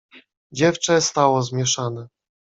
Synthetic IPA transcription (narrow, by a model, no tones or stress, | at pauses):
d͡ʑɛft͡ʂɛst̪awɔzmʲjɛʂanɛ